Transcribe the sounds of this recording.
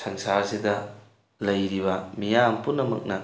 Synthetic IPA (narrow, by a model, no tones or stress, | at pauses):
sɐŋsasidɐ | lɐjɾibɐmijampunːɐmɐ̰k̚nɐ